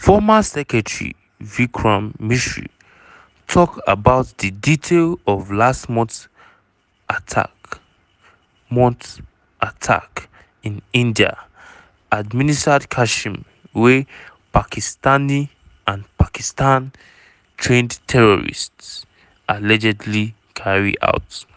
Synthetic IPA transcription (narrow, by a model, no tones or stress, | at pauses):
fɔmasɛkɹɛtɹḭ | vikʰɹãmːiʃɹḭ | tʰɔka̰baʊtdiditʰelɔvlastmɔ̃t | atʰa̰ | mɔ̃nt | ʔatʰa̰k | ĩnĩndia̰ | ʔad̚ministadkʰaʃĩm | we | pakʰistani | ãnpakistãn | tʰɹẽndtʰɛɹɔɹḭsts | ʔalɛd͡ʒɛdli | kʰaɹḭa̰ʊt